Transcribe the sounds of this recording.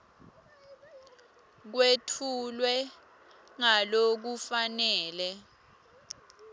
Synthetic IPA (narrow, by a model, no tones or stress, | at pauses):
k̬wetʰulwɛ | ŋalok̬ufanɛːlɛ